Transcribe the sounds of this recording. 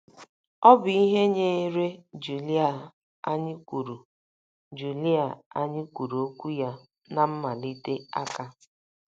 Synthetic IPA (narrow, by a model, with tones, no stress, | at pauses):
ɔ˦bʊ˨i˦ɦe˦ɲe˦ɾe˦d͡ʒu˨li˦a˨ | a˦ɲɪ˦kʷu˨ɾu˨ | d͡ʒu˨li˦a˨a˦ɲɪ˦kʷu˨ɾu˨o˦kʷu˦ja˦ | na˨m̩˦ma˨li˦te˦a˦ka˦